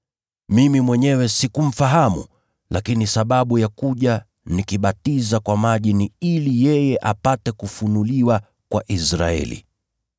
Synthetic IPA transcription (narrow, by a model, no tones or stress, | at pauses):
mimimwɛɲɛwɛsikum̩faɦamṵ | lʔakinisaɓaɓujakuʄa | nikiɓatizakwamaʄiniilijɛjɛʔapatɛkufunuliwa | kwaʔisɾa̰ɛ̰lḭ